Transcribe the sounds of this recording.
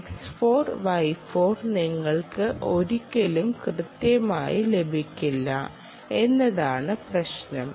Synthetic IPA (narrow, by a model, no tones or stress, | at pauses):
eksfo̞ːrʋɐjfo̞ːrniŋːɐɭkɨʔo̞ɾukʲːɐlumkrɨt̪jɐma̰ːjile̞bʱikʲːilːɐ̰ | e̞nːɐðaːɳɨprɐɕnɐm